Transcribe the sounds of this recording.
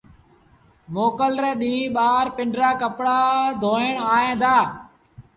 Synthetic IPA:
moːkəlɾeːɗĩːɓaːɾpɪɳɖɾaːkəpɽaːd̪ʱoːɪɳaːɦẽːd̪aː

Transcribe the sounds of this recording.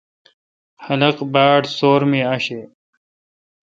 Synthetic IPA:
hɐlɐqbaːʈsoːɾmeːaɕeː

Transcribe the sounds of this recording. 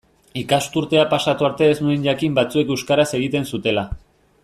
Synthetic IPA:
ikast̪uɾt̪e̞apasat̪uaɾt̪e̞eznueɲʎakimbat͡sue̞kewskaɾase̞ɣ̞it̪e̞nsut̪e̞la

